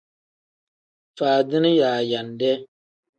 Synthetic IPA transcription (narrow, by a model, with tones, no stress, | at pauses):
faː˨dɨ˦nɨ˦jaː˨ja˨ndɛ˦